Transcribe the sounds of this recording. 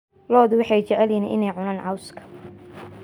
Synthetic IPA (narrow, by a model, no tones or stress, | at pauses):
lɔːðʊwɑħɑjt͡ʃɛʕɛlinʔɪnɛjʕʊnaːnʕɑwskʰɐ̥